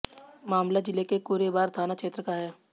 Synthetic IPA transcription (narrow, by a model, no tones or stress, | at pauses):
maːmlad͡ʒɪlekekuːɾebaːɾt̪ʰaːnakʃeːt̪ɾəkaɦɛː